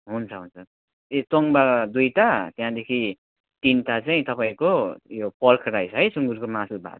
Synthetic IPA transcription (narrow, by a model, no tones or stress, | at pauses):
ɦunt͡sʰʌɦunt͡sʰʌ | etoŋbad̪ujt̪at̪jãd̪ekʰi | t̪int̪at͡saĩt̪ʌpaĩkojopʌlkʰɾajt͡sʰʌɦʌjsuŋɡuɾkomasubʱa̰